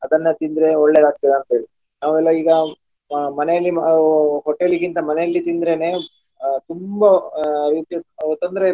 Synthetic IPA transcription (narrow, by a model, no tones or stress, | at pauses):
ɐd̪ɐnːɐt̪ind̪ɾe̞oɭːed̪aːɡ̚t̪id̪eɐnt̪ɐeːɭi | naːʋuɛlːɐiːɡɐ | mɐnɛjɐlːiɦɔʈːeɭik̬ːint̪ɐmɐnɛjɐlːit̪ind̪ɾe̞ne̞ː | t̪umbɐɾiːt̪iɐʋɐt̪ːɐnd̪ɐɾe̞